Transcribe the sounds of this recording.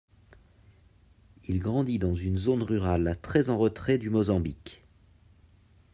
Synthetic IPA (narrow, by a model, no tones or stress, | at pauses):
ilɡʁɑ̃d̪id̪ɑ̃zynzonʁyʁalt̪χɛzɑ̃ʁət̪χɛd̪ymɔzɑ̃bik